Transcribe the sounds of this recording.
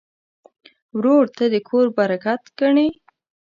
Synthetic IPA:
wɾoɽt̪ad̪əkʰoɾbaɾakat̪ɡ̥aɳe

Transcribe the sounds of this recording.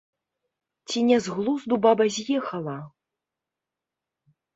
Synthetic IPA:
t͡sʲinʲɛzɣlˠuzd̪ubabɐzʲjɛxɐlˠɐ

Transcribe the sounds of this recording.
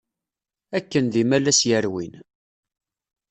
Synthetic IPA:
ækːənðimælæsjəɾwḭn

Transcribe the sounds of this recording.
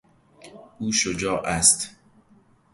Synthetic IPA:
uːʃod͡ʒɒːʔæst̪

